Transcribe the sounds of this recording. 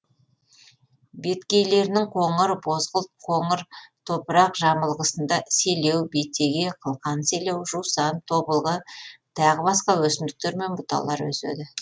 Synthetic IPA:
be̞t̪kʲe̞jle̞ɾɪnɪŋqʰo̞ɴəɾbo̞zʁəlˠt̪̚qʰo̞ɴəɾt̪ʰo̞pəɾɑqʒɑməlˠʁəsənd̪ɑse̞le̞wbe̞t̪ːe̞ɡʲe̞qʰəlˠqɑnse̞le̞wʒuwsɑnt̪ʰo̞bəlˠʁət̪ʰɑʁəbɑsqɑwɵsɪmd̪ɪk̚t̪e̞ɾme̞nbʊt̪ɑ̰lˠɑɾwɵ̰sḛd̪ɪ

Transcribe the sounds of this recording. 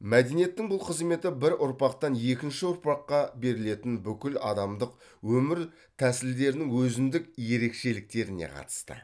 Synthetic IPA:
mæd̪enije̞t̪ːɪŋbʊlˠqʰəzme̞t̪ɪbɪɾʔʊɾpɑqt̪ɑnje̞kʲɪnʃɪʊɾpɑqːɑbe̞ɾɪle̞t̪ɪnbʏkʲɪlɑ̰d̪ɑmd̪əq | wɵmɪɾ | t̪ʰæsɪld̪e̞ɾɪnɪŋwɵzɪnd̪ɪkje̞ɾe̞kʃe̞lɪk̚t̪e̞ɾɪne̞̰qʰɑ̰t̪ə̥st̪ə̰

